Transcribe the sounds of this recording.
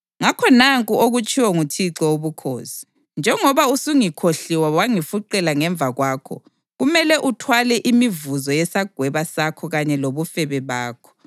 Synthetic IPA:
ŋakʰɔnaŋkʼuoɣut͡ʃʼiwɔŋutʰiǁɔoβukʰo̰ːsi̥ | nd͡ʒʱɛŋɔβausuŋikʰoɬiwawaŋifuǃɛlaŋɛɱb̪vʱaɣwaːkʰɔ̰ | ɣumɛlɛʔutʰwalɛʔimivuzɔjɛsaɡ̥ʱwɛβasakʰɔɣaɲɛloβufɛβɛβaːkʰɔ̥

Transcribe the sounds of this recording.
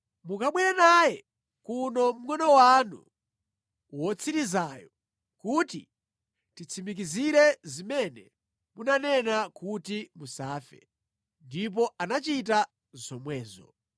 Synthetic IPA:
mukaɓwɛɾɛnajɛ | kunɔm̩ɡɔnɔwanṵ | wɔt͡sʰiɾizajɔ | kuti | tit͡sʰimik̬iziɾɛzimɛnɛ | munanɛnakutimusaːfɛ̰ | ndip̬ɔanat͡ʃit̬a | zɔmwɛːzɔ̰

